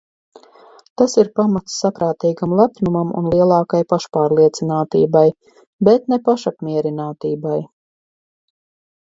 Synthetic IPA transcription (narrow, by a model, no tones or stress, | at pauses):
t̪asiɾpamat̪sːapɾaːt̪iːɡamlˠapnumamṵnlˠiɛlˠɑːkajpaʃpaːɾlˠiɛt̪sinaːt̪ḭːbaj | bɛt̪nepaʃapmʲiɛɾinaːt̪iːbaj